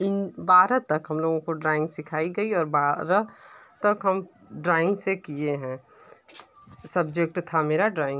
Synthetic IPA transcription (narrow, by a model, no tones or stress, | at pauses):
ɪnbaːɾət̪ɐkɦɐmloːɡõkoɖɾaːɪ̃ŋɡsɪkʰaːiɡɐiɔːɾbaɾət̪əkɦəm | ɖɾaːɪ̃ŋɡsekieɦɛ̃ | səbd͡ʒek̚ʈt̪ʰameːɾaɖɾaːɪ̃ŋɡ